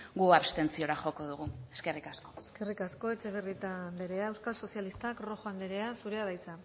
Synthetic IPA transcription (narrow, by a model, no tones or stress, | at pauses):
ɡuaβst̪e̞nt͡sio̞ɾaxo̞ko̞ðuɣue̞ske̞rikasko̞eske̞rikasko̞e̞t͡ʃe̞β̞erit̪ambe̞ɾe̞ae̞wskalso̞sjalist̪akro̞xoamb̪e̞ɾe̞asuɾe̞að̞ajt͡sa